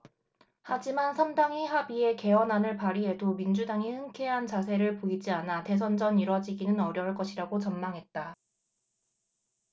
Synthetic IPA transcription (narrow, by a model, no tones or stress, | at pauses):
had͡ʑimansʰamdaŋiɦabie̞ke̞ʌnɦanɯɭpaɾiɦe̞domind͡ʑudaŋihɯŋkʰe̞ɦant͡ɕasʰe̞ɾɯɭpoid͡ʑianate̞s̬ʰʌnd͡ʑʌniɾwʌd͡ʑiɡinɯnʌɾjʌɭk͈ʌɕʰiɾaɡot͡ɕʌnmaŋɦe̞t̚t͈a